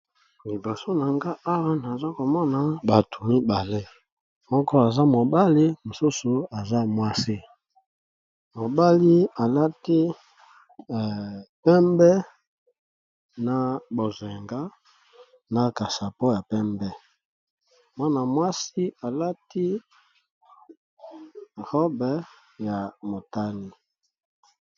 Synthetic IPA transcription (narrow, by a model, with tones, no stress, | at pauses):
li˨bo˨so˦na˨ŋɡa˦ʔa˦wa˦na˨za˦ko˨mɔ˦na˨ba˨tʰu˨mi˦ba˨le˦ | mɔ˦kɔ˦a˨za˦mo˨ba˦li˦mo˨su˦su˨a˨za˦mwa˦si˦ | mo˨ba˦li˦a˨la˦ti˦˨ | pɛ˦mbɛ˦ | na˨bo˨ze˨ŋɡa˦ | na˨ka˨sa˨po˦ja˨pɛ˦mbɛ˦ | mwa˦na˨mwa˦si˦a˨la˦ti˦ | ʁo˦bɛ˦ | ja˨mo˨ta˦li˨